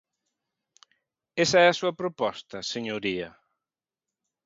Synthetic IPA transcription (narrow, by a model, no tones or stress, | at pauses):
esɐɛɐsuɐpɾopɔst̪ɐseɲoɾiɐ